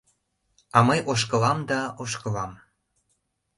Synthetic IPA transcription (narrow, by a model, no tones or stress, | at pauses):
ɑmɤjʔoʃ̬kəlɑmd̪ɑoʃkɤ̆lɑm